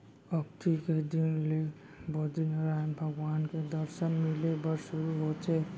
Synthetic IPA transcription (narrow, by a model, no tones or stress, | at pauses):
ɔk̚t̪iked̪inle | bod̪inɾanbʱɐɡwaːnked̪ɔɾʃənmilebəɾʃuɾuɦot͡ʃʰe